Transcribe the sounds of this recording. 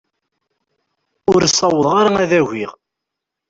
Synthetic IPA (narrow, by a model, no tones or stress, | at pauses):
ʊɾsˤːɑwəðˤʁaɾaæðæʝiʁ